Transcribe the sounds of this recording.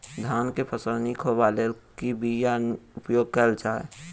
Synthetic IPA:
d̪ʱaːnkepʰəsəlnikʰobalekibijaʊpjoːɡ̚kɛld͡ʒaːe

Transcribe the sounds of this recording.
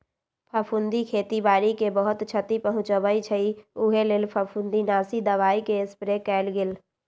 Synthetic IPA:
pʰəpʰund̪ikʰet̪ibaːɾikebəɦut̪t͡ʃʰət̪ipəɦʊ̃t͡ʃəbəit͡ʃʰəiuɦeleːlpʰəpʰund̪inasid̪əʋaːikeɪspɾekɛɪlɡeːl

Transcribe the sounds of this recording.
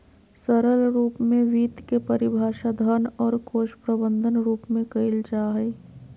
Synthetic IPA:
sɐɾəlɾuːpmẽʋiːt̪kepɐɾɪbʱaːʃad̪ʱənɔːɾkoːʃpɾəbə̃nd̪ʱənɾuːpmẽkɐɪld͡ʒaːɦɛː

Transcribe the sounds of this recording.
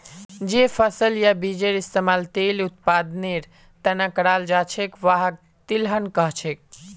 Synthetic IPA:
d͡ʒepʰəsəljabid͡ʒeɾist̪emalt̪elut̪̚pad̪neɾ | t̪ənakːəɽald͡ʒat͡ʃʰekʋaɦək̚ | t̪ilɦənkəɦt͡ʃʰek̚

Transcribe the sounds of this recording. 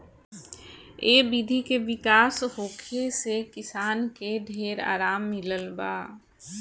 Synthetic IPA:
eːbid̪ʱikeʋɪkaːshoːkʰesekɪsaːnkeɖʱeːɾa̰ːɾaːmːɪləlbaː

